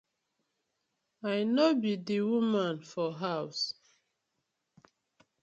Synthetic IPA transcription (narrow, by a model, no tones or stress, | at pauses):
ajnɔbidiwumãnfɔɦaws